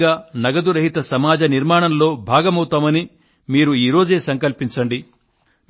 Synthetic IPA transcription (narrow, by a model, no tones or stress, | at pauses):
aːnɐɡɐd̪uɾɐɦit̪ɐsɐmaːd͡ʒɐniɾmaːɳɐmlo̞ːbʱaːɡɐmɐwt̪aːmɐni | miːɾuiːɾo̞ːd͡ʒe̞ːsɐŋkɐlpiɲt͡ʃɐɳɖi